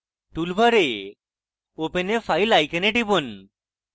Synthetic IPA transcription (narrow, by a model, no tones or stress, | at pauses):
ʈulbʱaɾe | openefʰajlajkəneʈibɔn